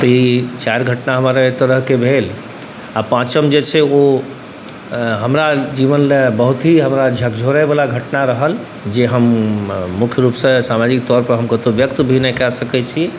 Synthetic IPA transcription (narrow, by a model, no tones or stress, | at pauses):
t̪əit͡ʃaɾɡʱəʈnaɦəmaɾet̪əɾəɦkebʱel | apãt͡ʃəmd͡ʒet͡ʃʰɛo | ɦəmɾad͡ʒiʋənlebəɦut̪ɦiɦəmɾad͡ʒʱək̚d͡ʒʱoɾɛbalaɡʱəʈnaɾəɦəl | d͡ʒeɦəmː | ukʰjəɾupsə̃samad͡ʒik̚t̪ɔɾpəɾɦəmkət̪objək̚t̪bʱinɛkɛsəkɛt͡ʃʰi